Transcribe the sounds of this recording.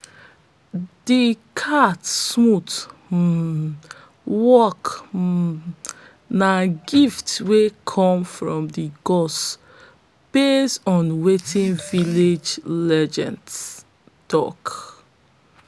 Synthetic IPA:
dikʰatsmut | wɔk | naɡiftwekʰɔ̃mfɹɔ̃mdiɡɔs | b̥estɔ̃nwetĩnviled͡ʒlɛd͡ʒɛ̃nd | tɔk

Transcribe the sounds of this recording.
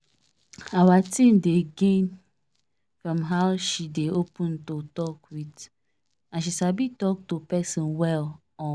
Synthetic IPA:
awatĩmdeɡẽn | fɹɔ̃mɦaʊʃideopũntotɔkwit | ãnʃ̬isabitɔk̚topɛsɔ̃nwɛl | ɔ̃

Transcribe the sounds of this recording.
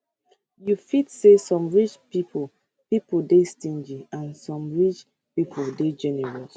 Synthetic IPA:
jufitsesɔ̃mɹit͡ʃpipʰo | pipodestĩnd͡ʒiãnsɔ̃mɹit͡ʃ | pipʰoded͡ʒɛnɛɹɔs

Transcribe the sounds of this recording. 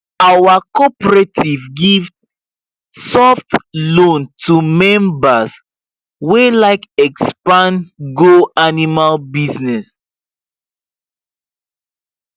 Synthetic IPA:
awakɔpɹetʰivɡiv | sɔftlõntʰumɛ̃mbas | welaɪkɛkspãnɡoanimalbiznɛs

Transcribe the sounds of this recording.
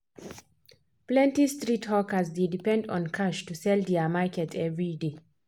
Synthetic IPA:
plɛ̃ntistɹithɔkəsdedipɛ̃ndɔ̃nkʰaʃtusɛldɛəmakɛtʰɛvɹide

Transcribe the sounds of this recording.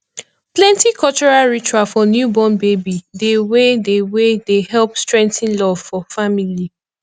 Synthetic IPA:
plɛ̃ntikʰɔlt͡ʃɔɹalɹit͡ʃuafɔnjubɔ̃nbebidewedewedehɛlpstɹɛ̃ŋtĩnlɔvfɔfamili

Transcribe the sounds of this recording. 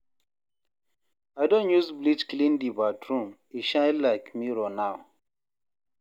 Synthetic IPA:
aɪdõnjuzblit͡ʃklĩndibatɹũm | iʃãɪdlaɪkmiɹɔnaʊ

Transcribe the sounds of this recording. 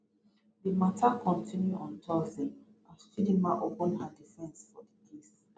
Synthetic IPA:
ðəmatʰakʰɔ̃ntʰĩnjuɔ̃ntʰɔzĩn | astidĩmaʔopə̃nhadifɛ̃nsfɔdiʔis

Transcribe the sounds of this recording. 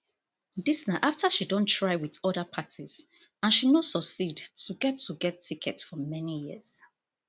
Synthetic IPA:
disnaʔaftʰaʃidõntʰɹaɪwiðɔdəpʰatʰiz̥ | ãnʃinosɔksidtʰuɡɛtʰːuɡɛtʰːikʰɛtsfɹɔmɛnijiz̥

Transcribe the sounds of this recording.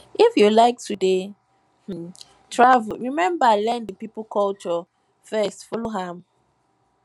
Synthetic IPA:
ʔifjulaɪk̚tʰude | tʰɹavlɹimɛ̃mbalɛ̃ndəpipəlkʰɔlt͡ʃɔ | fɛstfuloɦãm

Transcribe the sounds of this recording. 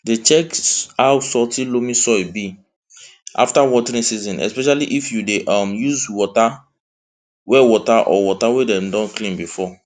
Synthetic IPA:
det͡ʃɛkhawsɔtĩlomĩsɔjbi | ʔa̰ftawɔtɛɹĩnsizɔ̃nʔɛ̰spɛʃaliʔifjudeʔɔmjuzwɔta | wɛwɔtaʔɔ̰wɔtawedɛ̃mdɔ̃nklĩnbifɔ

